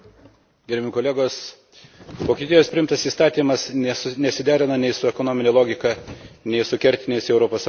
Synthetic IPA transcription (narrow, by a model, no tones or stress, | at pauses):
ɡʲɛɾʲbʲɪmɪkoɔlʲeːɡoːs | ʋoːkʲiːt̪ʲiɛjoːspʲɾʲɪɪmt̪ɐsiːst̪ɑːt̪ʲiːmɐsnʲɛsʊnʲɛsʲɪd̪ʲæːɾʲɪnɐnʲɛɪsʊɛkonoːmʲɪnʲeːlˠoːɡʲɪkɑnʲɛɪsʊkʲɛɾʲt̪ʲɪnʲeːsɛʊɾoːpoːs